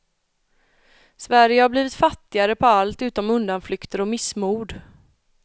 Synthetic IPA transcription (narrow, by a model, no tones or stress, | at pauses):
svæɾjəhaɾbliːvɪt̪fat̪ːɪaɾəpʰɔalt̪ʉ̟ːt̪ɔmɵnd̪anflʏkt̪əɾɔmɪsmuːɖ